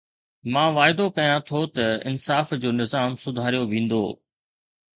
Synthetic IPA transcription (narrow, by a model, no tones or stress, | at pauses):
mãːʋaːɪd̪okɐjãt̪ʰot̪ɐɪ̰nsaːfd͡ʑoːnɪzaːmsʊd̪ʱaːɾijoʋĩːn̆d̪o̰ː